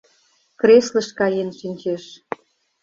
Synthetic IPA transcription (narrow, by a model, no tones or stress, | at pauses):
kreslə̆ʃkɑjenʃinʲt͡ɕeʃ